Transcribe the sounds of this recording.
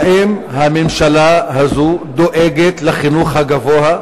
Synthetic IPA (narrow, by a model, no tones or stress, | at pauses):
ʔimhamemʃalahazud̪oʔeɡet̪leχinuχhaɡavoa